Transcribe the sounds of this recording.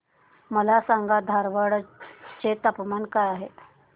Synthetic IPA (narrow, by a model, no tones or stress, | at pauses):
məlasaŋɡad̪ʱaɾʋəɽt͡ɕet̪əpmankajaɦe